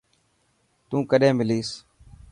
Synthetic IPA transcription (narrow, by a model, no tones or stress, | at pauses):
t̪ũːkəɗẽːmɪliːs